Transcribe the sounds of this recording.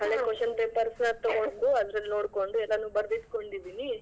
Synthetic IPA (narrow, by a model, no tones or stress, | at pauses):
ɦɐɭeːkoʃɐnpeːpɐɾsnɐt̪ɔɡoɳkuɐd̪ɾɐlːinoːɽko̞ɳɖuɛlːɐnuːbɐɾd̪id̪ko̞ɳɖid̪ini